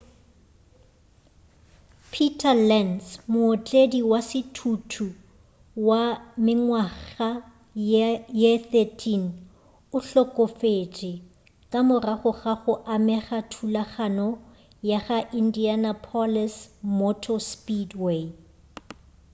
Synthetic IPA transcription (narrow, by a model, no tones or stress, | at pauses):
pʰitʰʼalɛnsmʊːt͡ɬʼediwasɪtʰutʰu | wamɪŋwaɣa | jeθetʰin | ʊɬɔkʼɔfet͡ʃʼɪ | kʼamʊraχʊχaχʊʔamɛχatʰulaχanɔ | jaχaʔindianapʰɔlɛsmɔtʰɔspidwe